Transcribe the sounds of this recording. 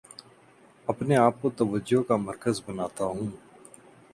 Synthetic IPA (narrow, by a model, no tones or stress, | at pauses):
ɐpneaːp̚kot̪əʋəd͡ʒoɦkaməɾkəzbənaːt̪aɦũː